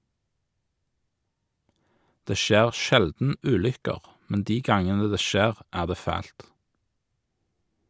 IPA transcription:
ˈdeː ˈʃeːʁ ˈʃɛldn̩ ˈʉːlʏkəʁ ˈmɛn ˈdiː ˈɡɑŋənə ˈdeː ˈʃeːʁ ˈæːʁ ˈdeː ˈfæːlt

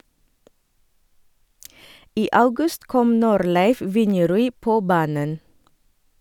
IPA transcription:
ˈiː ˈʔɑʉɡʉst ˈkɔm ˈnuːɾˌlæɪf ˈʋɪnjɛˌɾʉːiː ˈpoː ˈbɑːnən

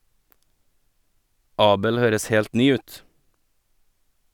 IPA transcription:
ˈɑːbəl ˈhøːɾəs ˈheːlt ˈnyː ˈʉːt

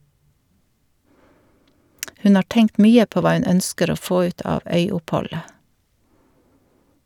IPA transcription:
ˈhʉn ˈɑː ˈʈɛŋkt ˈmyːə ˈpoː ˈʋɑː ˈʉn ˈœnskəɾ ˈoː ˈfoː ˈʉːt ˈɑːʋ ˈœʏʊpˌhɔlə

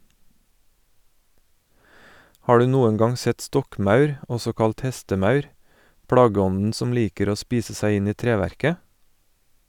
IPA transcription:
ˈhɑː ˈɖʉː ˈnuːən ˈɡɑŋ ˈsɛt ˈstɔkˌmɑʉɾ ˈɔsɔ ˈkɑlt ˈhɛstəˌmɑʉɾ ˈpɽɑːɡəˌɔnn̩ ˈsɔm ˈliːkəɾ ˈoː ˈspiːsə ˈsæɪ ˈɪn ˈiː ˈtɾeːˌʋæɾkə

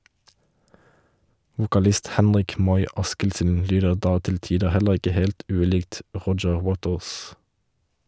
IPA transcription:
ʋʊkɑˈlɪst ˈhɛnʁɪk ˈmɔʏ ˈɑskɪlsn̩ ˈlyːdəʁ ˈdɑː ˈtɪl ˈtiːdə ˈhɛləʁ ˈɪkə ˈheːlt ˈʉːˌliːɡt ˈʁɔd͡ʒəʁ ˈwoːtəʁs

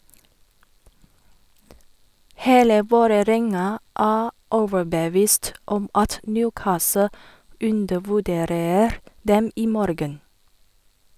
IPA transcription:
ˈheːlə ˈʋoːɾəˌɾɛŋɑ ˈæː ˈɔʋəɹbəˌʋiːst ˈɔm ˈɑt ˈnjʉːˌkɑːsə ˈʉndəʋʉˌdeːɾəɾ ˈdɛm ˈiː ˈmɔɾɡən

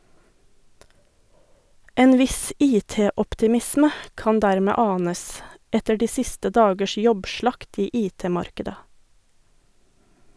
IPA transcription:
ˈeːn ˈʋɪs ˈiːˌteːɔptɪˌmɪsmə ˈkɑn ˈdæɾmɛ ˈɑːnəs ˈɛtə ˈɖiː ˈsɪstə ˈdɑːɡəʃ ˈjɔbˌʃɭɑkt ˈiː ˈʔiːˌteːˌmɑɾkədə

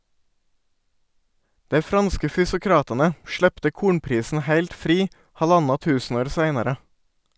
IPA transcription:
ˈdæɪ ˈfɾɑnskə fʏsʊˈkɾɑːtɑnə ˈʃɭɛptə ˈkuːɳpɾiːsn̩ ˈhæɪlt ˈfɾiː ˈhɑˌʎɑnɑ ˈtʉːsn̩ˌoːɾ ˈsæɪnɑɾə

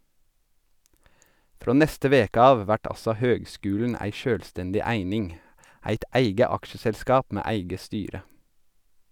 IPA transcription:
ˈfɾoː ˈnɛstə ˈʋeːkə ˈɑːʋ ˈʋæʈ ˈɑsɔ ˈhøːɡˌskʉːln̩ ˈæɪ ˈʃøːlˌstɛndɪ ˈæɪnɪŋ ˈæɪt ˈʔæɪɡə ˈɑkʃəsɛlˌskɑːp ˈmeː ˈæɪɡə ˈstyːɾə

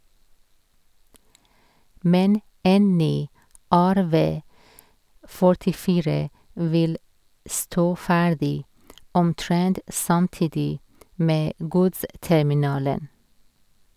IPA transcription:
ˈmɛn ˈeːn ˈnyː ˈæɾˌʋeː fɔɹtɪˈfiːɹə ˈʋɪl ˈstoː ˈfæːɖɪ ɔmˈtɹɛnt sɑmˈtiːdɪ ˈmeː ˈɡʊdstɛmɪˌnɑːlən

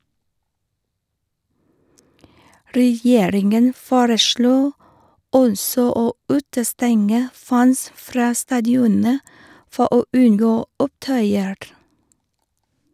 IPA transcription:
ɾɛˈjeːɾɪŋən ˈfoːɾəˌʃɭoː ˈɔnsɔ ˈoː ˈʉːtəˌstɛŋə ˈfæns ˈfɾɑː stɑːdɪˈɔnə ˈfɔ ˈoː ˈʉnˌɡoː ˈʊpˌtœʏəɹ

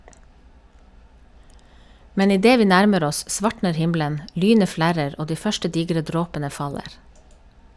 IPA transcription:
ˈmɛn ɪˈdeː ˈʋiː ˈnæɾməɾ ˈɔs ˈʔsʋɑʈɳəɾ ˈhɪmlən ˈʔlyːnə ˈflæɾəɾ ˈoː ˈdiː ˈfœʃʈə ˈdiːɡɾə ˈdɾoːpənə fɑˈleːɾ

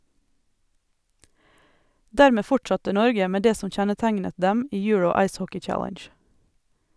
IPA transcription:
ˈdæːɾmeː ˈfʊʈsɑtə ˈnɔɾɡə ˈmeː ˈdeː ˈsɔm ˈçɛnəˌtæɪnə ˈdɛm ˈiː ˈjʉɹəʊ ˈɑɪs ˈhɔkɪ ˈt͡ʃælənʃ

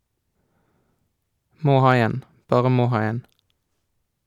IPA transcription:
ˈmoː ˈhɑː ˈeːn ˈbɑːʁə ˈmoː ˈhɑː ˈeːn

